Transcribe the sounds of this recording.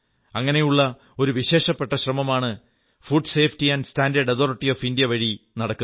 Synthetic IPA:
ɐŋːɐne̞juɭːɐ | o̞ɾuʋiɕe̞ːʂɐpːeʈːɐɕrɐmɐmaːɳɨ | fuɖse̞ːfʈiɐnɖɨstaːndɐɖɐt̪oːriʈːioːfindijɐʋɐɻinɐɽɐkːu

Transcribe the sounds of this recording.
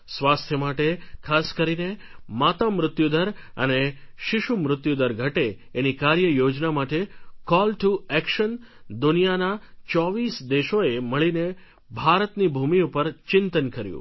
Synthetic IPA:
sʋast̪ʰjəmaʈekʰaskəɾinemat̪amɾʊt̪jud̪əɾə̰neʃɪʃumɾʊt̪jud̪əɾɡʱəʈeː | nikaɾjəjod͡ʒnamaʈekɔlʈuɛkʃən | d̪ʊnijanat͡ʃɔʋisd̪eʃoeməɭine | bʱaɾət̪nibʱumiupəɾt͡ʃɪnt̪ənkəɾjṵ̃

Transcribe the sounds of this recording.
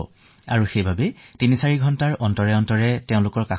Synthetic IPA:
a̰ɹuxejbʱabɛtinisaɹiɡʱɔntaɹʔɔntɔɹɛɔntɔɹɛteʊ̃lʊkɔɹka

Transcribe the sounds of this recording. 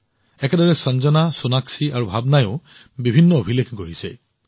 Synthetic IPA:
ɛkɛdɔɹɛsɔnzɔnasunaksiʔaɹubʱabnajʊ̰̃ | bibʱinːɔobʱilekɡoɹisɛ̰

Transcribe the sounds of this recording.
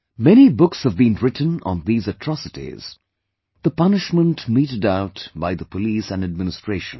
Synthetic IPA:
mɛñibʊkshəvbĩnɹɪtn̩ə̰̃nðiːzətʰɹ̥ɔsɨtḭz̥ | ð̥əpʌnɨʃmə̃ntmiɾɨdaʊtbaɪðəpʰəliːsɨ̃nɨd̚mɪnɨstɹ̥eɪʃə̃n

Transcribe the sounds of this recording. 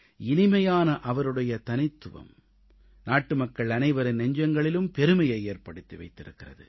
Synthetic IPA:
ɪnɪmɐjaːnɐʔɐʋɐɾɯɽɐjɐt̪ɐnɪt̪ːɯʋɐ̰m | naːʈːɯmɐkːɐɭɐnɐɪʋɐɾɪnɛɲd͡ʒɐŋɡɐɭɪlɯmpɛɾɯmɐjɐɪeːrpɐɽɯt̪ːiʋɐɪt̪ːɪɾɯkːɪrɐ̰ðɯ̰

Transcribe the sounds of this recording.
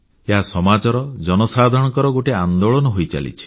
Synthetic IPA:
eɦasɔmad͡ʒɔɾɔd͡ʒɔnɔsad̪ʱɔɽ̃ɔkɔɾɔɡoʈeand̪oɭɔnɔɦojt͡ʃa̰lḭt͡ʃʰi̥

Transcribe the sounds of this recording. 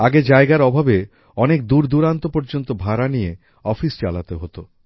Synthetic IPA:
aɡed͡ʑaeɡaɾɔbʱabe | ɔnek̚d̪uɾd̪uɾant̪opɔɾd͡ʑont̪obʱaɾanije | ɔfist͡ɕa̰la̰t̪eɦot̪o

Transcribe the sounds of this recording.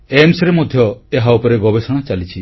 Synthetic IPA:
emsɾemod̪ʱjɔeɦaupɔɾeɡɔbesɔɽ̃at͡ʃalit͡ʃʰi

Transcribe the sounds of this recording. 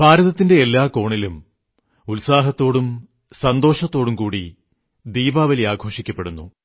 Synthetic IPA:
paːɾɐðɐt̪ːinde̞elːaːko̞ːɳilum | ulsaːɦɐt̪ːo̞ːɽum | sɐnd̪o̞ːʂɐt̪ːo̞ːɽumkuːɽi | d̪iːbaːʋɐliaːɡʱo̞ːʂikʲːɐpːe̞ɽunːu

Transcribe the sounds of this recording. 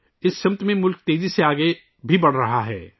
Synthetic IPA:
ɪsʃɐmt̪mẽmʊlk̚t̪eːziseaːɡe | bʱibɐɽ̤ɾɐɦaɦɛ̰ː

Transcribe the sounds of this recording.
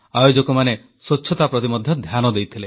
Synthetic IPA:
ajod͡ʒɔkɔmane | swot͡ʃʰːɔt̪apɾɔt̪imɔd̪ʱjɔd̪ʱjanɔd̪ejt̪ʰile

